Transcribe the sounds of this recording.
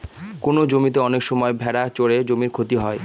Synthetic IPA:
konod͡ʑomit̪̬eɔnekʃɔmɔebʱɛɽat͡ɕoɽed͡ʑomiɾkʰot̪iɦɔe

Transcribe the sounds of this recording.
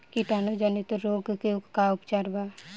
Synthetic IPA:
kiʈaːnod͡ʒanit̪ɾoːɡkeukkaʊpt͡ʃaːɾba

